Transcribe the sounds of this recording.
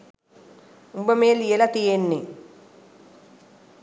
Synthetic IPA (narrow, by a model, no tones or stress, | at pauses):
umbəmeːlijelat̪ijenːi